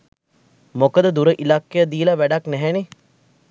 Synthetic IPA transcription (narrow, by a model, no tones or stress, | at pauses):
mokəd̪əd̪uɾəʔilakːejəd̪iːlɐʋæɖɐknæɦæne